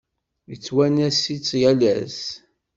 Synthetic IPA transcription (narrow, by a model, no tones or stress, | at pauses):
jət͡sːwænæsit͡sːjælæs